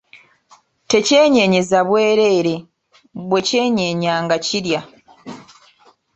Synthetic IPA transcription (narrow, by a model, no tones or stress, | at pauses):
te̞ce̞ːɲe̞ɲe̞zaβwe̞ːɾe̞ːɾe̞ | βwe̞ce̞ːɲe̞ːɲaːŋɡaciɾja